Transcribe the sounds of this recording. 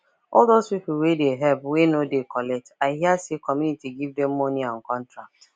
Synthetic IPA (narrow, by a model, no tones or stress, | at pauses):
ɔldozpipl̩wedeɦɛpwenodekɔlɛk̚taɪɦiasekɔmjunitiɡivdɛmːɔniɔ̃nkɔ̃ntɹak̚t